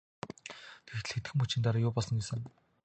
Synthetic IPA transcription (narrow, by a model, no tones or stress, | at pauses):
t̪ʰext̪ɘɮxet̪ɡɘ̆mput͡ɕɪ̆nt̪aɾaːjʊːpɔɮsɞ̆ŋɡisə̆n